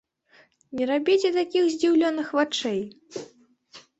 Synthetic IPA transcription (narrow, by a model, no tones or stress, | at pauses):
nʲɛɾabʲit͡sʲɛt̪akʲixzʲd͡zʲiwlʲɔnɨxvat͡ʂɛj